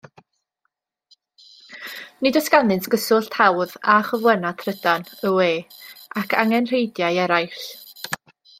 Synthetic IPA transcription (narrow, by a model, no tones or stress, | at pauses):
nɨdɔskanɨnsɡ̥əsʊɬtʰawðaχɔvwənatʰrədanəweːakʰa̰ŋɛnr̥ejdjajɛɾajɬ